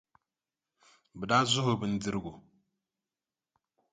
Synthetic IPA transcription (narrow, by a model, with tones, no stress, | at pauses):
bə˨da˦zu˦ho˨bɨ˦n̩˦di˦ɾɡo˨